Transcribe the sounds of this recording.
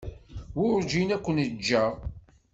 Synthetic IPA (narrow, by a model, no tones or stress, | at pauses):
wʊɾd͡ʒinækʷːənəd͡ʒːæʁ